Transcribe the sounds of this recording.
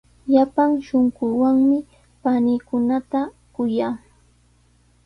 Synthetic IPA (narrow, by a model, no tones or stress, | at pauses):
ʎapaŋʃoŋɢʊːwaŋmɪ | panikʊnat̪a | kʊjaː